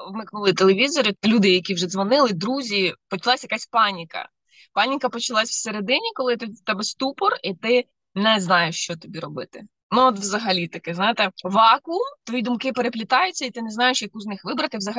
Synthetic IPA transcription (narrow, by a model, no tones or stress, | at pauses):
wmɪkʊlˠɪt̪elˠeʋʲizɔɾɪlʲud̪ɪjɐkʲiwʒɛzʋɔnɪlˠɪd̪ɾuzʲipɔt͡ʃɐlˠasʲjɐkasʲpɑnʲikɐ̰ | pɑnʲikɐpɔt͡ʃɐlˠasʲwseɾed̪ɪnʲikɔlˠɪt̪ɪt̪ɛbɛst̪upɔrit̪ɪ | nɛznɑjeʃt͡ʃɔt̪ɔbʲiɾɔbɪt̪ɪ | nuɔt̪ʋzɐɦɐlʲit̪ɐkɪznɑjɪt̪ɛʋɑkut̪ʋɔjid̪ʊmkɪpeɾeplʲɪt̪ɑjʊt͡sʲːɐit̪ɪnɛznɑjeʃjɐkuznɪxʋɪbɾɐt̪ɪwzɐɦɐ